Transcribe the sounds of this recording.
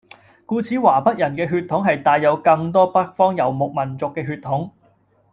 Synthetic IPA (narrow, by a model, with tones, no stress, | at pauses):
kuː˧t͡sʰiː˨˥waː˨˩pɐ˥t̚jɐ˨˩nkɛː˧ɦyː˧t̪ʰʊ˨˥ŋɦɐ˨jt̪aː˨jːɐ˨˧wkɐ˧ŋt̪ɔː˥pɐ˥k̚fɔː˥ŋjɐ˨˩wmʊ˨k̚mɐ˨˩nt͡sʊ˨kːɛː˧ɦyː˧t̪ʰʊ˨˥ŋ